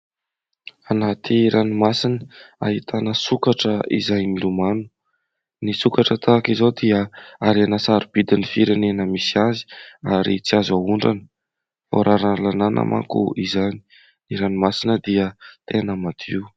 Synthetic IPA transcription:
anat̪ʰiɾʔanimasinəa̰ɦit̪ʰanəsukaʈ͡ʂəḭzajmilumanu̥ | nisukaʈ͡ʂət̪ʰakizowd̪iəaɾanasaɾib̥id̪inifiɾenenəmisiazi̥aɾit͡siazauɳɖ͡ʐanə̥ | fa̰ɾʔaɾanlananʔə̰mʔa̰kṵizani̥ | niɾanimasinəd̪iət̪enəmad̪̥ḭw

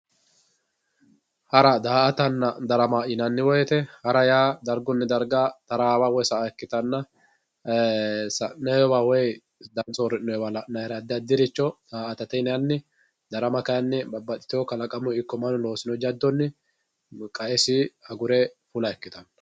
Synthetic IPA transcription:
hɐɾɐd̪aːɐt̪ɐnːɐd̪ɐɾɐmaʔɪnɐnːɪwɔjɛt̪ɛhɐɾɐjaːd̪ɐɾɡɔnːɛd̪ɐɾɡaːt̪ɐɾaːbawɔjsɐʔaɛkːɪt̪ɐnːɐ | sɐnɛjɔbaːwɔɛ | d̪ɐsoɾɪnɔjɔbalɐnɐjɾɐd̪ɪɐd̪ɪɾɪt͡ʃːɔd̪̥aːʔɐt̪ɐt̪ɛnɛjɐnːɪ | d̪ɐɾɐmɐkɐjɐnːɛbɐbɐt̪ʼɪ̥t̪ɪjɔkɐlɐkʼɐmʊɪkːɔmɐnʊlo̞ːsɪnɔd͡ʒɐd̪ːɔnːɪ | kʼɐʔɛsɪhɐɡʊɾɛfʊlɐɛkːɪt̪ɐnɐ

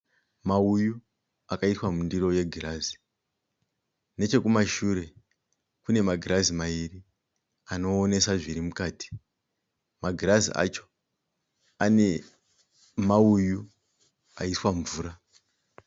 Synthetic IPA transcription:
mauju | akaitwamundiro̞je̞ɡʱirazi̥ | ne̞t͡ʃe̞kumaʃuɾe̞ | kune̞maɡʱiɾazimairi | ano̞ːne̞saʐiɾimukaːti̥ | maɡʱiɾazḭʔa̰t͡ʃo̞ | ane̞ | mauju | a̰iswaɱvuːɾa

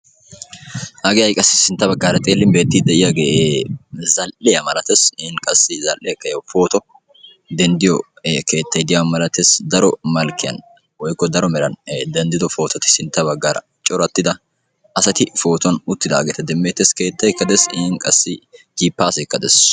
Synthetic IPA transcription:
ʔɐɡɪjɐjkʼɐsːɪsɪnt̪ːɐbɐɡːaːɾɐt̪ʼeːlːɪnbeːt̪ːɪd̪ɛʔɪjaɡeʔezɐlʔɪjɐmɐlɐt̪esɪɪnkʼɐsːɪzɐlʔːɪɐkːɐjɐwfo̞ːt̪ɔ | d̪ɛnd̪ɪjɔ | ke̞ːt̪ːɐjd̪ɪjamɐlɐt̪esd̪ɐɾɔmɐlkɪjɐ̰n | wɔjkːɔd̪ɐɾɔmɛlɐnd̪ɐnd̪ɪd̪ɔfo̞ːt̪ɐt̪ɪ̥sɪnt̪ːɐbɐɡːaːɾɐ̰ | t͡ʃʼɔɾɐt̪ːɪd̪ɐ | ɐsɐt̪ɪfo̞ːt̪ɔnʊt̪ːɪd̪a̰ːɡeːt̪ɐd̪ɛmːeːt̪ːeske̞ːt̪ːɐjkːɐd̪ɛsɪɪnkʼɐsːɪd͡ʒiːpːaːsɔjkːɐd̪ɛ̰s

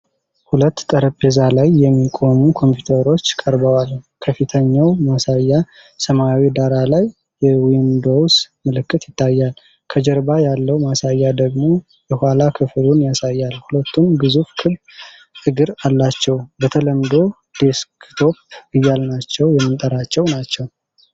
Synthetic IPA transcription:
hulət̪ːt̪ʼəɾəpʼezalajːɛmːikʼo̞mukʰo̞mpjut̪ʰəɾo̞t͡ʃːkʼəɾbəwalkʰəfit̪ʰəɲːawmasajːa | səmawid̪aɾalajː | ɛwind̪o̞wsmɨlɨkːɨt̪jɪt̪ːajːal | kʰəd͡ʒəɾbajalːəwmasajːad̪əɡmo̞ | jɛhʷalakʰɨflunjasajːalhulət̪ʰːunɡɨzufkʰɨbb | ɨɡɨɾalːat͡ʃːɛwbət̪ʰələmd̪o̞ | d̪̥eskt̪ʰo̞pɨjːalnat͡ʃːɛwjɛmːɨnt̪ʼəɾat͡ʃːɛwnat͡ʃːɛw

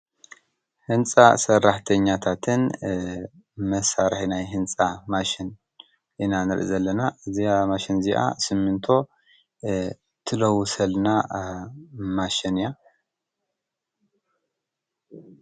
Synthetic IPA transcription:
hɨnt͡sʼa̰sɐrːaħt̪ʰɐɲːat̪ʰat̪ʰɨn | mɐsaɾħinajɦɨnt͡sʼamaʃin | ʔɨnanɨɾʔḭzɐlːɐnaʔɨziamaʃinziʔa̰sɨmːɨnt̪ʰo̞ | t̪ʰɨlɐwsɐlna | maʃinja

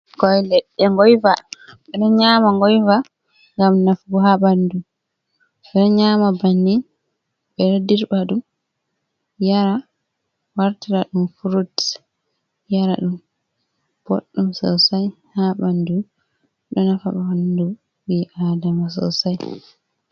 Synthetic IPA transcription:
ɡɔjlɛɗːɛŋɡɔjvaɓɛnɔɲamaŋɡɔjva | ŋɡamnafɡɔɦaɓandu | ɓɛnɔɲaːmabanːi | ɓɛɾodiɾbaɗum | jaɾa | waɾtiɾaɗumfuɾut | jaɾa̰ɗum | b̥o̰ɗːumsɔ̰wsajhabandu | ɗɔnafa̰ɓaandu | wiʔaːdamas̬ɔ̰wsaj

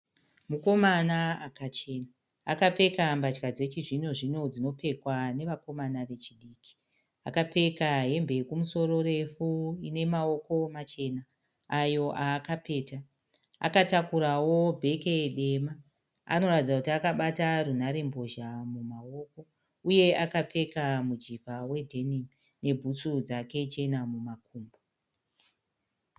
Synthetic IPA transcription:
muko̞manaakat͡ʃe̞naː | kape̞kambat͡ʃkad͡ze̞t͡ʃiʐino̞ʐino̞d͡zino̞pe̞kwane̞ʋako̞manaʋe̞t͡ʃiɗiːki̥ | akape̞kaɦe̞mbe̞kumuso̞ro̞ɾe̞fuine̞mao̞ko̞mat͡ʃe̞naː | jo̞ʔaːkape̞ːta | a̰katakuɾawo̞bʱe̞keɗe̞ma | a̰no̞ratid͡zakutiakaɓatarun̤aɾe̞mbo̞ʒamumao̞ko̞ | uje̞akape̞kamud͡ʒipawe̞dʱe̞nim | ne̞bʱut͡sud͡zake̞t͡ʃe̞namumakuːmbo

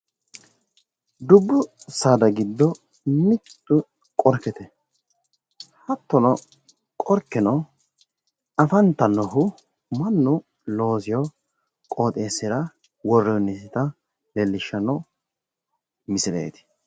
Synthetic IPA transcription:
d̪ʊbːʊ | saːd̪ɐɡɪd̪ːɔ | mɪt̪ːʊ | kʼɔɾkːɛt̪ɛ | hɐt̪ːɔnɔ | kʼɔɾkːɛnɔ | ɐfɐnt̪ːɐnɔɦʊ | mɐnːʊ | lo̞ːsɪjɔ | kʼo̞ːt̪ʼeːsːɪɾɐ | wɔrːɛjnːɪsɪt̪ɐ | lɛlːɪʃːɐnːɔ | mɪsɪɾḛːt̪ɪ̥

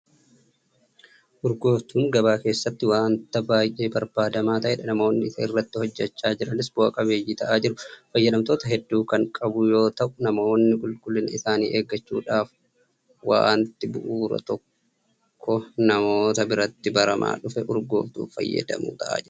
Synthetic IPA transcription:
ʔʊɾɡo̞ːft̪uːŋɡɐbaːke̞ːsːɐt̪ːɪwaːnt̪ɐbaːjʔe̞ːbɐɾbaːd̪ɐmaːt̪ɐʔɛᶑɐnɐmo̞ːnːɪɪsɐɪrːɐt̪ːɪhɔd͡ʒːɐt͡ʃːaːd͡ʒɪɾɐnɪsboːkʼɐbe̞ːjːɪt̪ɐʔaːd͡ʒɪɾʊfɐjːɐd̪ɐmt̪o̞ːt̪ɐɦɛd̪ːuːkɐŋkʼɐbʊjo̞ːt̪ɐʔʊnɐmo̞ːnːɪkʼʊlkʼʊlɪnɪsaːnḭːʔeːɡːɐt͡ʃːuːᶑaːf | wa̰ːnt̪ɪbʊʔuːɾɐ̰t̪ɔkʰː | ɔnɐmo̞ːt̪ɐbɪɾɐt̪ːɪbɐɾɐmʔa̰ːᶑʊfɛʔʊɾɡoːft̪ṵːfɐ̰jːɐ̰d̪ɐ̰mṵːt̪ɐʔa̰ːd͡ʒɪ

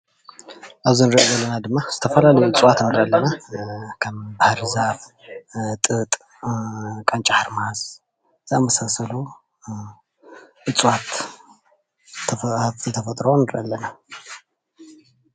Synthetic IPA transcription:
ʔaβzinɨɾʔʔozɐlːɐnad̪ɨmːaz̥ɨt̪ʰɐfɐlalɐjuɨt͡sʼwat̪nɨɾʔalːɐnakʰɐmbahaɾɨzaf | t̪ʼɨt̪ʼ | kʼant͡ʃʼaħaɾmahas | zamɐsɐsɐlu | ʔɨt͡sʼwat̪ | zɨt̪ʰɐfɐt̪ʼɾonːɨɾʔalːɐna

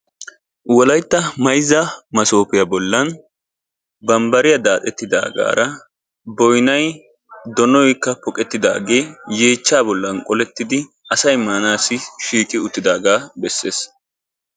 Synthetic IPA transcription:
wɔlɐjt̪ːɐmɐjzːɐmɐso̞ːpɪjɐbɔlːɐn | bɐmbɐɾɪjɐd̪aːt̪ʼɛt̪ːɪd̪a̰ːɡa̰ːɾɐ | bɔjnɐj | d̪ɔnɔjkːɐpɔkʼɛt̪ːɪd̪a̰ːɡe̞ːje̞ːt͡ʃːaːbɔlːɐnkʼɔlɛt̪ːɪd̪ɪ | ʔɐsɐjmaːnaːsːɪʃiːkʼɪʊt̪ːɪd̪aːɡaːbɛsːe̞ːs

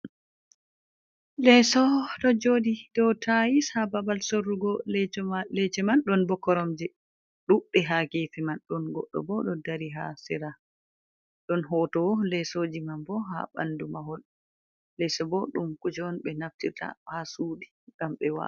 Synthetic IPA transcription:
lɛsɔdɔd͡ʒoːdidɔwtʰajishababalsoɾːuɡɔ | lɛt͡ʃɛmanɗɔnbɔkːɔɾɔmd͡ʒɛ | ɗuɗɛɦaɡefɛmanɗɔnɡɔɗːɔ̰bɔɗɔdaɾiɦa̰siɾa | ɗɔnɦɔːtɔlɛsod͡ʒimanbɔɦa̰ba̰ndumaɦɔl | lɛsɔbɔɗumkud͡ʒɔnɓɛnaftita̰hasuːdi | ɡ̥amɓɛwa̰

